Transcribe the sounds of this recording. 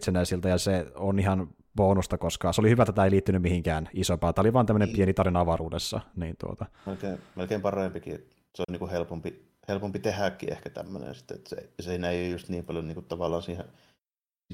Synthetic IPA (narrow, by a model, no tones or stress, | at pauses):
t̪senæisilt̪æjɑseonihɑn | ʋoːnust̪ɑkoskɑːseolihyʋæt̪æt̪æeiliːt̪ːynymmihiŋkæːnisompɑːt̪ːæoliʋɑːnt̪æmːənempienit̪ɑrinɑʋɑruːdesːɑ̰niːnt̪ṵo̰t̪ɑ | melkeːmelkeːmpɑrempikḭet̪ | solniːkuhelpompi | helpompit̪ehækːḭḛhkæt̪æ̰mːø̰nḛnsi̥t̪ːeḛt̪sḛseinæjust̪niːmpɑljoniːŋkut̪t̪ɑʋɑlːˑɑːnsiːhe